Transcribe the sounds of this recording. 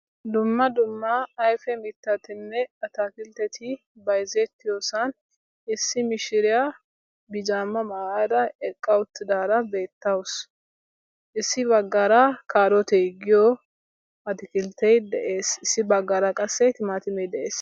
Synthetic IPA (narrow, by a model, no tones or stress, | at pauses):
d̪ʊmːɐd̪ʊmːɐːjfɛmɪt̪ːɐt̪ɪnːɛɐt̪akɪlt̪ɛt̪ʰɪ | bɐjzɛt̪ːɪjoːsɐn | ɪsːɪmɪʃɪɾɪja | bɪd͡ʒaːmːɐmɐad̪ɐɛkʼːɐwʊt̪ːɪd̪aːɾɐbe̞ːt̪ːɐwʊs | ʔɪsːɪbɐɡːaɾakʰaːɾɔt̪ɛɡɪjo | ɐt̪ɪkɪlt̪ɛjd̪ɛʔeːsɪsːɪbɐɡːaːɾɐkʼɐsːɛt̪ɪmaːt̪ɪmɛjd̪ɛʔeːs